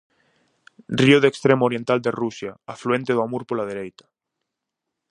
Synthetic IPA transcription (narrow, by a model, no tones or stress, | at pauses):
rioðekst̪ɾemoɾjent̪ald̪erusjaafluent̪eðoamuɾpolaðeɾejt̪ḁ